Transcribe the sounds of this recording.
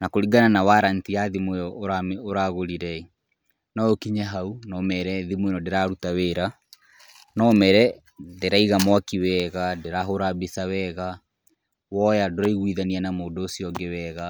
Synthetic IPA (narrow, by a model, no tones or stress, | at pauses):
nakoɾiɡananawaɾantiaðimwejɔoɾamoɾaɣoɾiɾɛi | nɔokiɲaɦaunɔmɛɾɛðimwenɔdeɾaɾutaweɾa | nɔmɛɾɛ | deɾaiɣamwakiwɛɣadeɾaɦoɾabesawɛɣa | wɔjadoɾaiɣwiðanianamoːdoːsiɔɡɛwɛɣa